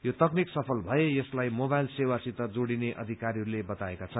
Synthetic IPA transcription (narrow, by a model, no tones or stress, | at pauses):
jot̪ʌkniksʌpʰʌlbʱʌejʌslajmobajlsewasit̪ʌd͡zoɽineʔʌ̰d̪ʱikaɾiɦʌɾulebʌt̪aekat͡sʰʌn